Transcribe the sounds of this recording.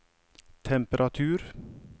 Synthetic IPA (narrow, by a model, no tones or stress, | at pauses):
t̪ʰɛmpəɾʔat̪ʰʉːɾ